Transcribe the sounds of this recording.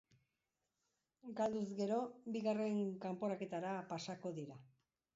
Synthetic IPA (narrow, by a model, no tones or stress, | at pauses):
ɡald̪uzɡe̞ɾo̞biɣare̞ŋkampo̞ɾake̞t̪aɾapasako̞ðiɾa